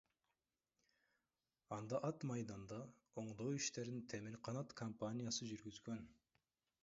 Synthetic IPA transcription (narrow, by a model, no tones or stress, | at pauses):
ɑnd̪ɑʔɑt̪mɑjd̪ɑnd̪ɑ | oɴd̪owiʃt̪e̞ɾint̪ʰe̞miɾqʰɑnɑt̪kʰompanʲijasɯd͡ʒyɾɡyzɡø̞n